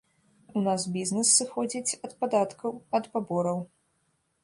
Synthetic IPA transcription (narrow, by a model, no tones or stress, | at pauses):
unasbʲiznɛsːɨxɔd͡zʲit͡sʲɐt̪pad̪at̪kɐwɐt̪pabɔɾɐw